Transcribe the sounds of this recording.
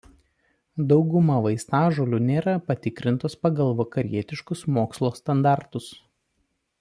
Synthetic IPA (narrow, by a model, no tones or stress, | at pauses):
d̪ɒʊɡʊmɐʋɐɪst̪ɑːʒolʲunʲeːɾɐpɐt̪ʲɪkɾʲɪnt̪oːspɐɡɐlˠʋɐkɐɾʲiɛt̪ʲɪʃkʊsmoːkslˠoːst̪ɐnd̪ɑˑɾt̪ʊs